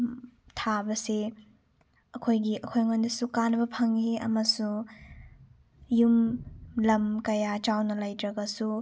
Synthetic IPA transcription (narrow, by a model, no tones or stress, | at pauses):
tʰabɐse | ɐkʰojɡiɐkʰojŋondɐsukanɐbɐpʰɐŋiɐ̰mɐsu | jumlɐmkɐjat͡ʃawnɐlajtɾɐɡɐsu